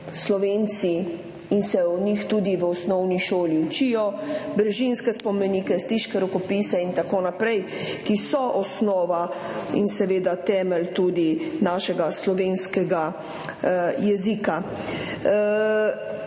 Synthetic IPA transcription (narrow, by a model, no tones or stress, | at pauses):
slɔʋeːnt̪si | insɛɔnixt̪uːd̪iʋəɔsnɔwniʃoːliut͡ʃijɔbɾɛʒinskɛspɔmɛniːkɛst̪iʃkɛɾɔkɔpisɛint̪akoːnapɾɛj | kisɔʔɔsnɔːʋaḭnsɛʋeːd̪at̪ɛːmɛlt̪uːd̪inaːʃɛɡaslɔʋeːnskɛɡa | jɛzika